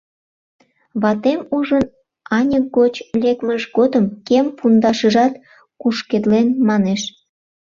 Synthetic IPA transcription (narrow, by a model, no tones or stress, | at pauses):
βɑt̪emuʒən | ɑnʲək̚ɡot͡ɕlʲekməʃɡod̪əmkempund̪ɑʃəʒɑt̪ | kuʃked̪lenmɑneʃ